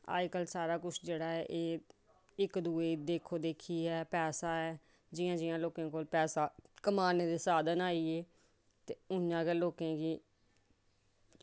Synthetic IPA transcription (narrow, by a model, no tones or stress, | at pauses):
a̰ːkəlsaːɾaːkʊt͡ʃʰd͡ʒeːɽaːɛːʔeː | ɪkd̪uːeːd̪eːkʰoːd̪eːkʰiːɛːpɛːsaːɛː | d͡ʒɪjãːd͡ʒɪjãːloːkẽːkoːlpɛːsaːkəmaːneːd̪eːsaːd̪ənaːiːeː | t̪eːʊjãːkeloːkẽːɡiː